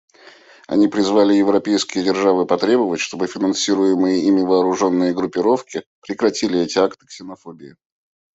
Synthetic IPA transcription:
ɐ̰nʲipɾʲɪzvalʲɪjɪvɾɐpʲejskʲɪjədʲɪrʐavɨpɐt̪ɾʲe̞bəvətʲʂt̪o̞bɨfʲɪnɐnsʲiɾʊjɪmɨjəimʲɪvəːɾʊʐo̞nːɨjəɡɾʊpʲːɪɾo̞fkʲɪpɾʲɪkɾɐtʲilʲɪɛtʲɪakt̪ɨ̥ksʲɪnɐfo̞bʲɪjɪ̰

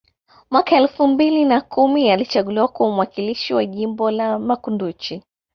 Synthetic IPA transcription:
mwakaɛlfumbilinakʰumialit͡ʃaɠuliwakwamuwakiliʃiwaʄimbɔlamakundut͡ʃi

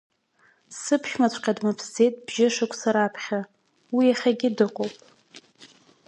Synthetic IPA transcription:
sɨpʰʃmat͡ɕʷʼqʲʼadmapʰsd͡ze̞jtʼbʒɪʂɨkʷʰʼsaɾaːpʰχʲa | wijaχʲaɡʲɪdɨqʷʼowpʼ

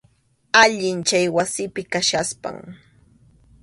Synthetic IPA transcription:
aʎɪnt͡ʃajwasɪpɪkaʃaspa̰ŋ

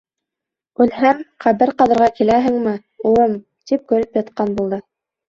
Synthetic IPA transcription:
ʉlɦæmχæβɘɾqɑðɤ̆ɾʁɑkilæɦɘ̆ŋmɘ | ulˠɤm | t̪ip̚kɵ̆ɾɘpjɤ̆t̪̚qɑnbulˠd̪ɤ

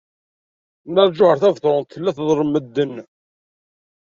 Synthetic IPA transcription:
nəɾˤd͡ʒʊhəɾθævθɾˤʊnt̪θlːæθðˤɾˤəmːəd̪ːənː

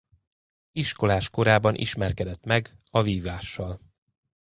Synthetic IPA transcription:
iʃko̞laːʃko̞ɾaːbɒnʔḭʃmɛrkɛd̪ɛt̪mɛɡɒviːvaːʃːɒl

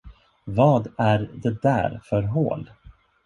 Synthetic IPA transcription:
vɑːd̪æɾd̪ɛd̪æ̰ːɾfœɾɦo̰ːl

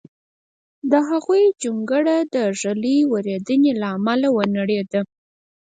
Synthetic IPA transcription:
d̪əɦaɣujd͡ʒuŋɡəɽad̪əʐaliwəɾed̪ənelaːmalawənaɽed̪a

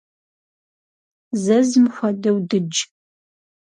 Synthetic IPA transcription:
zɐzmxʷɐdɐwdɨd͡ʒ

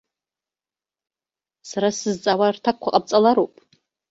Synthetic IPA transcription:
saɾasɨzt͡sʼawartʰakʷʰːaqʼab̚t͡sʼalaɾowpʼ

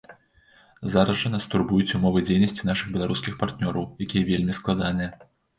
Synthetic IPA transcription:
zaɾɐʐɐnɐst̪urbujut͡sʲumɔvɨd͡zʲejnɐsʲt͡sʲin̪aʂɨɣbʲɛlˠaɾuskʲixpart̪nʲɔɾɐwjakʲijɐvʲelʲmʲisklˠad̪anɨjɐ

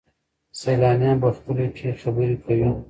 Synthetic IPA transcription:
sajlɑːnjɑ̃bəxpəleʈʰexabəɾikʰawi

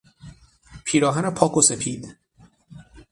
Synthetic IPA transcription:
pʰiːɾɒːɦænepʰɒːkʰose̞pʰiːd̪̥

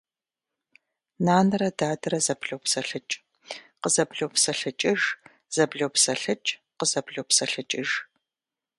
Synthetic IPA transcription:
naːnɐɾɐdaːdɐɾɐzɐbɮowpsɐɬɨt͡ʃʼ | qəzɐbɮowpsɐɬɨt͡ʃʼɪʒ | z̥ɐbɮowpsɐɬɨt͡ʃʼqəzɐbɮowpsɐɬɨt͡ʃʼɪʒ

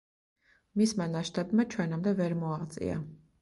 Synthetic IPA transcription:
mismanaʃt̪ʼabmat͡ʃʰwɛnamd̪ɛvɛɾmɔaʁt̪sʼḭa̰

